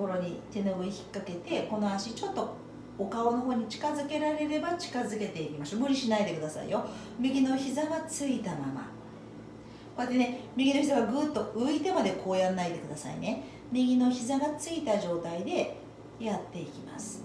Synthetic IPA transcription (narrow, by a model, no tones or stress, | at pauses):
koɾo̞ɲ̟it̪e̞no̞ɯiçi̥kːake̞t̪e̞ko̞no̞aɕit͡ɕo̞t̪ːo̞ | okao̞no̞ɦo̞ːɲ̟it͡ɕi̥kazɨke̞ɾaɾe̞ɾe̞bat͡ɕi̥kazɨke̞t̪e̞ikʲimasomɯ̟ɾʲiɕinaid̪e̞kɯ̟d̪asa̰ḭjo̞ | mʲiɡʲino̞çizaɡat͡sɨit̪ama̰ma̰ | koet̪ːe̞ne̞mʲiɡʲino̞çʲizaɡaɡɯt̪ːo̞ɯit̪e̞mad̪e̞kʰo̞ːjanːaid̪e̞kɯ̟d̪asa̰ḭne | mʲiɡʲino̞çizaɡat͡sɨit̪aʑo̞ːt̪aid̪e̞ | jat̪ːe̞ikʲima̰sɨ̥